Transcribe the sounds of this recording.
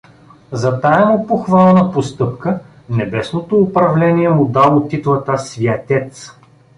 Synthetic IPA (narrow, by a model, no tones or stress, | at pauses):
zɐt̪aɛmopoxvalˠnəpost̪ɤpkə | nɛbɛsnot̪oːpɾɐvlɛniɛmʊd̪alˠot̪ːit̪lˠɐt̪asvjɐt̪ʲɛt̪s